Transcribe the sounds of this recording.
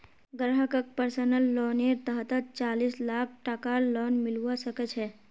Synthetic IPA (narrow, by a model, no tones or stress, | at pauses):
ɡɾɦəkək̚pəɾsənəlːɔːneɾt̪əɦt̪ət̪̚t͡ʃaːliːslaːk̚ʰʈakalɔːnmɪluwasəkət͡ʃʰɦɛː